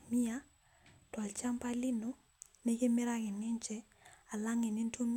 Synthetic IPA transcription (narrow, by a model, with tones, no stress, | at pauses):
mi˦a˦ | twa˨lt͡ʃa˦mpa˦li˦no˨ | ne˦kɪ˦mɪ˦ɾa˦kɪ˨nɪ˦ɲt͡ʃɛ˦ | a˨la˦ŋe˨nɪ˦nto˦m